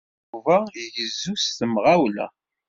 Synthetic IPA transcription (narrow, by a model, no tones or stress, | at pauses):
uvajjəzːust̪əmʁawlæ̰